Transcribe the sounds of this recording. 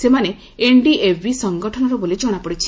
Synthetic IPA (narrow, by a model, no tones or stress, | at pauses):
semane | eɳɖiʔebʱisɔŋɡɔʈʰɔnɔɾɔbolid͡ʒɔɽ̃apɔɽit͡ʃʰi̥